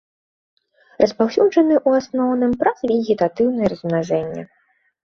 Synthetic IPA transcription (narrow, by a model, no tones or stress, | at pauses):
rʔɐspawsʲud͡ʐʐɐnɨʔuasnɔwnɨmpɾazvʲɛɣʲit̪at̪ɨwnɨjɛɾɐzmnaʐɛnʲːɐ̰